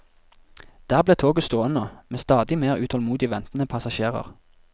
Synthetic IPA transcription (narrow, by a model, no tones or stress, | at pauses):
d̪̥æːʁbleːt̪ʰoːɡəst̪oːənəmeːst̪ɑːd̪ɪmeːʁʉːt̪ʰɔlmuːd̪ɪʋɛnt̪n̩əpʰɑsɑʃeːʁə̰ʁ